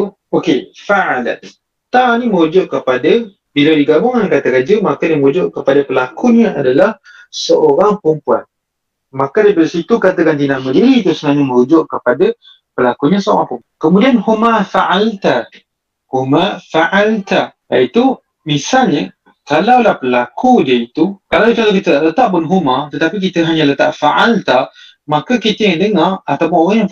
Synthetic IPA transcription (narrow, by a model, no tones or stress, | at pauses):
okefaʔala̰t̪ | t̪animəɾud͡ʒɔʔkəpada | biladiɡabʊŋankat̪akad͡ʒəmakaniməɾud͡ʒɔʔkəpadapəlakuɲəadalah | səʔoɾaŋpəmpua̰n | makadəpaɾsit̪ukat̪akant̪inamədiɾit̪usənaɲəməɾud͡ʒɔʔkəpada | pəlakuɲasəo̰ɾaŋpum | kəmũdianhumafaʔalt̪a | humafaʔalt̪ajait̪u | misalɲa | kalawlahpəlakʰudiəit̪ukalawt͡ʃaɾakit̪ətaʔlət̪aʔpʊnɦumat̪ət̪apik̬it̪əɦaɲãlət̪aʔfaʔalt̪a | makakit̪əjaŋdəŋarat̪apʊŋoɾaŋjaŋ